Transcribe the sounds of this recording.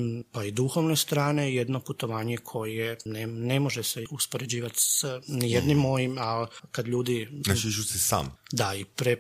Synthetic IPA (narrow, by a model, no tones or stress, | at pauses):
paid̪uxo̞ʋne̞st̪ɾaːne̞jed̪no̞put̪o̞ʋaːɲe̞kʰo̞jjenene̞mo̞ʒeseuspo̞ɾe̞d͡ʑiːʋat̪snijed̪nimːo̞jimalkad̪ʎuːd̪inat͡ʃt͡ʃusesa̰ːmd̪aipɾe